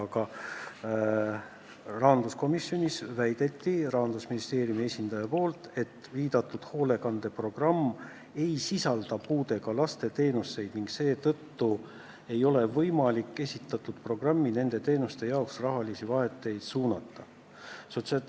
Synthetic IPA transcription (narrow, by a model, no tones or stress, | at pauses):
ɑkɑ | rɑːnd̪usko̞misjo̞nʲisvæjd̪̥e̞t̪ːirɑɦɑnd̪̥usminist̪e̞ːɾjumie̞sʲind̪̥ɑjɑpo̞ːlt̪e̞t̪ːˑviːd̪ɑt̪ːˑud̪̥ho̞ːle̞kɑnd̪̥e̞pro̞ɡ̥rɑmː | e̞jsisɑld̪̥ɑpuːd̪e̞ɡ̥ɑlɑst̪e̞t̪e̞ːnusːe̞jd̪̥niŋkse̞ːt̪ɤ̞t̪ːu | e̞jo̞le̞vɤjmɑlikːe̞sʲit̪ːˑɑt̪ːˑud̪̥pro̞ɡ̥rɑmːine̞nd̪e̞t̪e̞ːnust̪e̞jɑoksrɑɦɑlisivɑɦe̞t̪ːˑe̞jd̪̥suːnɑt̪ːɑ | so̞t̪sɑ